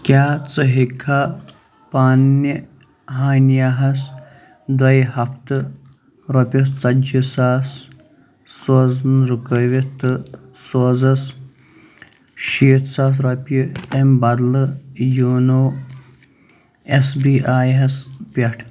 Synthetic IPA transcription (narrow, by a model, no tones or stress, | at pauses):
kʲaːt͡sɨɦikʰa | paːnːi | ɦaːnjaɦɐs | d̪ɐjhɐft̪ɨ | ɾopʲɐst͡sɐd͡ʒisaːs | soːznɾukəʋʲit̪ɨsoːzɐs | ʃiːt̪saːs̬ɾopʲiembɐd̪lɨjoːnoː | esbiːʔaːjɦɐspʲɐʈʰ